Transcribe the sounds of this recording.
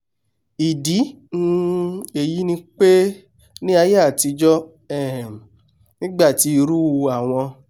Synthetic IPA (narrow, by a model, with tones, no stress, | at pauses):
i˨di˨˦ | nũ˧e˨ji˨˦nĩ˧k͡pe˦ | nĩ˦a˧je˦a˦˨ti˧d͡ʒɔ˦ | ɛ˦˨ | nĩ˦ɡ͡ba˦˨ti˨˦i˧ɾu˦˧a˨w̃ɔ̃˧